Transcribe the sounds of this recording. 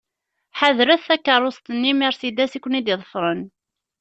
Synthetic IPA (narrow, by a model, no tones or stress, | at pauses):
ħaðɾæθːækːəɾˤost̪ənːimiɾsid̪æsikʷːənid̪ɪðˤəfɾˤən